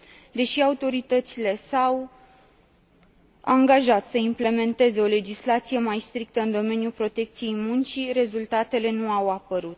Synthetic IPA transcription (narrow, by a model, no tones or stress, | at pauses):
d̪e̞ʃiaut̪o̞ɾit̪ət̪sile̞saw | aŋɡaʒat̪səimple̞me̞nt̪e̞ze̞o̞le̞d͡ʒislat̪sije̞majst̪ɾik̚t̪əɨnd̪o̞me̞njulpɾo̞t̪e̞k̚t̪sije̞jmunt͡ʃiɾe̞zult̪at̪e̞le̞nuawapəɾut̪̚